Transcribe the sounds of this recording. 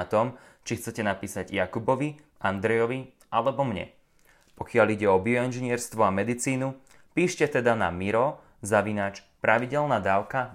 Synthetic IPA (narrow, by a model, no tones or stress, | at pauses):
at̪ɔm | t͡ʃixt͡sɛcɛnapiːsaɟjakubɔʋi | ʔand̪ɾɛjɔʋi | alɛbɔmɲɛ̰ | pɔkɪaliɟɛɔbiɔɛnʒɛɲɪɛɾst̪ʋɔamɛd̪it͡siːnu | piːʃcɛt̪ɛd̪ana̰miɾɔ | zaʋinaːt͡ʃ | pɾʔaʋiɟɛlnaːd̪aːʊka